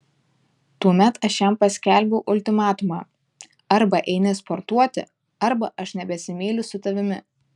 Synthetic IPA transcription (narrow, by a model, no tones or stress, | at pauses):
t̪uɔmʲɛt̪ɐʃjɛmpɐsʲkʲɛˑlʲbʲɛʊʔʊlʲt̪ʲɪmɑːt̪ʊmɑː | ɐɾbɐʔɛɪnʲɪspɔɾt̪uɔt̪ʲɪ̰ | ɐɾbɐʔɐʃnʲɛbʲɛsʲɪmʲiːlʲʊsʊt̪ɐʋʲɪmʲɪ